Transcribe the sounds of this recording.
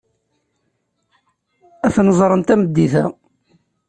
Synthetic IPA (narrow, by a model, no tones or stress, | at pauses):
æθnəzˤɾˤənt̪æməd̪ːiθæ̰